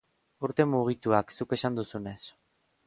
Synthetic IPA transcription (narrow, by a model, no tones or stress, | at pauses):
uɾt̪e̞muɣ̞it̪uaksuke̞sand̪usune̞s